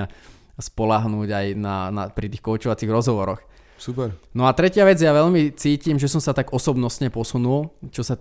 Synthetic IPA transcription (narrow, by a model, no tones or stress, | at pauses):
a | spɔlaɦnuːɟajnanapɾit̪ixkɔʊt͡ʃɔʋat͡siɣɾɔzɦɔʋɔɾɔx | supɛɾnɔat̪ɾɛcɪaʋɛd͡zjaʋɛʎmit͡siːcimʒɛsɔmsat̪aɡɔsɔbnɔsɲɛpɔsunult͡ʃɔsa